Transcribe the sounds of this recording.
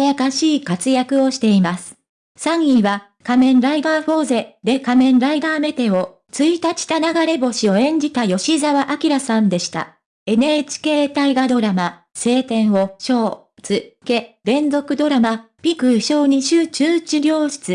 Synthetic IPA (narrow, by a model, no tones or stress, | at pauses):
jakaɕiːkat͡sɨjakɯ̟o̞ɕi̥t̪e̞imasɨ̥ | sãɰiβa | kamẽ̞nɾaiɡ̪aːɸo̞ːze̞d̪e̞kamẽ̞nɾaiɡ̪aːme̞t̪e̞o̞ | t͡sɨit̪at͡ɕi̥t̪anaɡaɾe̞bo̞ɕio̞ẽ̞ɲ̟d͡ʑit̪ajo̞ɕizaβaʔakʲiɾasãnd̪e̞ɕi̥t̪a̰ | e̞ne̞t͡ɕi̥ke̞ːt̪aiɡad̪o̞ɾama | se̞ːt̪ẽ̞ɰ̃o̞ɕo̞ː | t͡sɨke̞ɾẽ̞nzo̞kɯ̟d̪o̞ɾama | pʲikɯ̟ɕo̞ːɲ̟iɕɨːt͡ɕɨːt͡ɕɨɾʲo̞ːɕi̥t͡sɨ